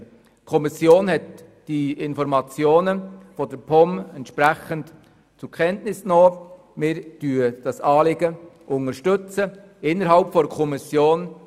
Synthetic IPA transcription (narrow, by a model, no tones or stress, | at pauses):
kʰɔmɪsjoːnhɛt | d̥iɪnfɔɾmɑt͡sjoːnəfɔd̥əɾpʰɔmɛntʃpɾæçənt | t͡sukʰɛntnɪsnoː | mɪɾd̥yːəd̥ɑsɑːlɪɡəʔʊnəɾʃtʏt͡sə | ɪnːəɾɦɑlpfɔdəkʰɔmɪsjoːn